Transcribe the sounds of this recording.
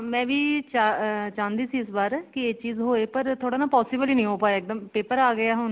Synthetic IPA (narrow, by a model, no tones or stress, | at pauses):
mɛ̃ːʋiːt͡ʃaːt͡ʃãːnd̪iːsiːɪsbaːɾkɪeːt͡ʃiːzɦoːeːpəɾt̪ʰoːɽaːnaːpɔːsiːbəliːnĩːɦoːpaːeɪk̚d̪əmpeːpəɾaːɡɪaːɦʊn